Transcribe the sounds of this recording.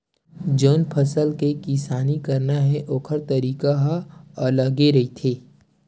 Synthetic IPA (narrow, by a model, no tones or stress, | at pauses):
d͡ʒoːnpʰɐsəlkekɪsaːnikɐɾnaɦɛʔoːkʰəɾt̪ɐɾiːkaɦələɡeɾɐit̪ʰeː